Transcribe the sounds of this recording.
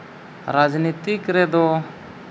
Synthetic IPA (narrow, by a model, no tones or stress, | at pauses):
ɾad͡ʒnit̪ikɾɛd̪ɔ